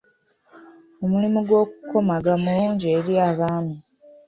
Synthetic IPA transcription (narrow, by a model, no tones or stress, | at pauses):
omulimuɡwo̞ːkuko̞maɡamuluːɲɟieɾiaːβaːnu